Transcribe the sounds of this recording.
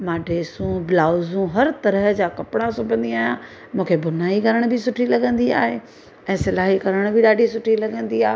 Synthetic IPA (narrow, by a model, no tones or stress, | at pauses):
maːɖʱeːsũblaːʊzũɦɐɾt̪ɐɾəɦəd͡ʑaːkɐpɽ̃asʊbʱə̃nd̪iaːɦjã | mũːkʰebʊnaːikɐɾəɽ̃bɪsʊʈʰilɐɡə̃nd̪ia̰ːɦeː | ɛ̃ːsɪlaːɦikɐɾəɽ̃bʱɪɗaːɖʱisʊʈʰilɐɡə̃nd̪iaːɦe